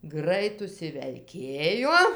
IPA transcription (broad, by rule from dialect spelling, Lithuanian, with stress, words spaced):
ˈɡrɐɪt ʊʃʲsʲɪʋʲɛlʲˈkʲeːjoː